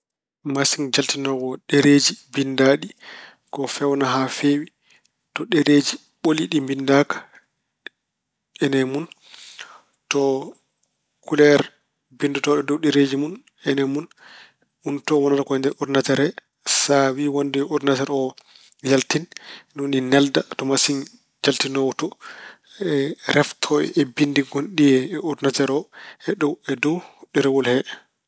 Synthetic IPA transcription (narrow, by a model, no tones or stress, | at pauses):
masiŋd͡ʒaltinɔwɔɗeɾed͡ʒibindaɗi | kɔfɛwnaɦafewi | tɔɗɛɾed͡ʒi | ɓoliɗimbindakḁ | ɛnɛmun | tɔ | kulɛɾ | bindɔtɔɗɔdowɗɛɾed͡ʒimun | ɛnɛmun | untɔwɔnaɾakɔɛndɛɾɔdinatɛɾɛ | sawiwondiɛɔdinatɛɾɔ | jaltinnninɛldatɔmasin | d͡ʒaltinɔwtɔ | ɛɾɛftʰɔjɛbindiɡonɗijɛɛɔdinatɛɾɔɛɗɔwɛdɔwhɗiɾɛwɔlhɛ